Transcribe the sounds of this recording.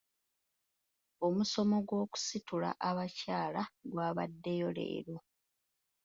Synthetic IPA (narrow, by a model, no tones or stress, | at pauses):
o̞muso̞mo̞ɡwo̞ːku̥situla̰ʔaβacaːlaɡwaːβadːe̞jo̞le̞̰ːɾo